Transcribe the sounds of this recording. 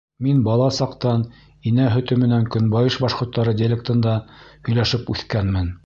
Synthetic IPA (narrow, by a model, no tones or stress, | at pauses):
minbɑlˠɑsɑqt̪ɑn | inæɦɵ̆t̪ɵ̆mɘ̆næŋkɵ̆nbɑjɤʃbɑʃqŏɾt̪ːɑɾɤdʲelʲek̚t̪ɤ̆nd̪ɑhɵ̆jlæʃɘpʉθkænmɘn